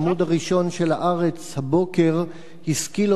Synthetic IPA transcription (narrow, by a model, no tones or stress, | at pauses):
mud̪haʁiʃo̞nʃelhaʔaʁet͡shabo̞keʁ | hiskil